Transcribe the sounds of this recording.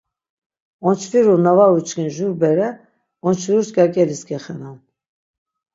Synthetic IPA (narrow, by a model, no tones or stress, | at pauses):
ɔnt͡ʃʰfiɾunavaut͡ʃkinʒuɾbɛɾɛ | ɔnt͡ʃʰviɾuskʼakʼɛliskʰʼɛχɛnan